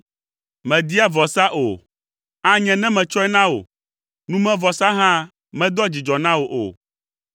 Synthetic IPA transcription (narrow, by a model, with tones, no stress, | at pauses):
mɛ̃˨d̪i˦a˦vɔ˨sa˦ʔo˨ | a˦ɲɛ̃˨nɛ̃˦mɛ̃˨t͡ʃɔ˦ɛ˦nã˦wo̰˨ | nũ˦mɛ̃˦vɔ˨sa˦ɦã˦ | mɛ̃˦d̪ɔ˦d͡ʑi˨d͡ʒɔ˨nã˦wo˨ʔo̰˨